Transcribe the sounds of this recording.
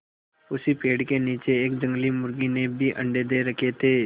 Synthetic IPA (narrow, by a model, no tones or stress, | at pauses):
ʊsipeːɽkeniːt͡ʃeeːk̚d͡ʒə̃ŋɡlimʊɾɡinebʱiʔɐ̰̃ɳɖed̪eɾɐkʰet̪ʰeː